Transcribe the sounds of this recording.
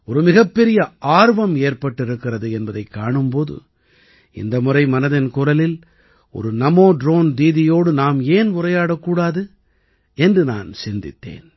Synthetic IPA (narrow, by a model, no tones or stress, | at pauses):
ɔɾɯmɪɣɐpːɛɾɪjɐʔaːɾʋɐmeːrpɐʈːɪɾɯkːɪrɐðɯɛnbɐðɐɪkːaːɳɯmpoːðɯ̰ | ɪ̰nd̪ɐmʊrɐɪmɐnɐðɪnkʊrɐlɪl | ɔ̰ɾɯnɐmoːɖɾoːnd̪iːðɪjoːɽɯnaːmeːnʊrɐjaːɽɐkːuːɽaːðɯ | ɛndrɯna̰ːnsɪnd̪ɪ̰t̪ːḛːn